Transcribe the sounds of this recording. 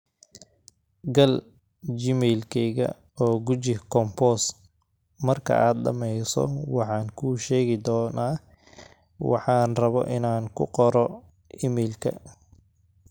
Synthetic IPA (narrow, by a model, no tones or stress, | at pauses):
ɡɐl | d͡ʒɪmɛlkʰɛɣɐ̰ | ɔːɡʊt͡ʃɪkʰɔmpɔs | mɐrkʰɐ̰ʔaːd̪ɗɐ̰mɛjsɔ̰wɑħɑːŋkʰuːʃɛːɣɪd̪ɔːnaː | wɑ̰ħɑːnrɐβɔ̰ʔɪnaːŋkʰʊ̰qɔɾɔ | ʔɪmɛːlkʰɐ̰